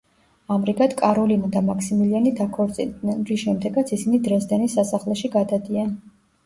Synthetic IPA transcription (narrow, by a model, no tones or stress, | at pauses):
amɾiɡad̪kʼaɾɔlinad̪amaksimilianid̪akʰɔɾt̪sʼḭld̪ɛɾisʃɛmd̪ɛɡat̪sʰisinid̪ɾɛsd̪ɛnisasaχlɛʃiɡad̪ad̪ia